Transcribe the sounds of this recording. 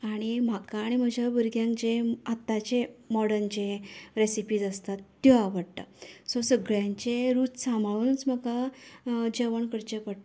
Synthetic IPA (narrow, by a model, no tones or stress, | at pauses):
aɽ̃im̤akaːɽ̃im̤əd͡ʑʱabəɾɡjãŋkd͡ʑeat̪ːat͡ɕemɔɽənt͡ɕeɾesipiːd͡zəst̪at̪ːjɔaʋəɽʈ̪ə̰sɔsəɡɭjãɲt͡ɕeɾuːt͡ssãmʱaɭunt͡sməka | d͡ʑeʋəɳkəɽt͡ɕepəɽt̪